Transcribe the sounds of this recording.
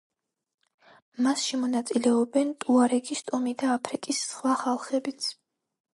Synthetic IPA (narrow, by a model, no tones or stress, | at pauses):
masʃɛmɔnat̪sʼilɛɔbɛnt̪ʼuaɾɛɡist̪ʼɔmid̪aːpʰɾikʼisːχwaχalˠχɛbit̪sʰ